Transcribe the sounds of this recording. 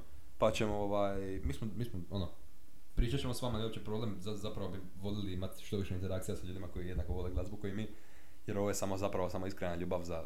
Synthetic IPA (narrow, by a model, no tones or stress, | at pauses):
pat͡ɕe̞mooʋaj | miːsmomiːsmoono | pɾiːt͡ʃat͡ɕemosʋaːmaneopt͡ʃepɾoblemzazapɾaʋobi | ʋo̞leliimat̪ʃt̪o̞ʋiʃeint̪eɾakt̪sijasaʎuːd̪imako̞jijenakoʋo̞leɡlˠazbukojimi | jeɾo̞ʋoje̞samozapɾaʋo̞samo̞iskɾenaʎuːbaʋza